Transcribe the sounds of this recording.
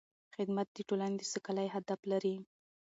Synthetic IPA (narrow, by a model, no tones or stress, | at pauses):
xɪd̪mat̪̚d̪əʈolaned̪əsəkalajɦad̪aflaɾi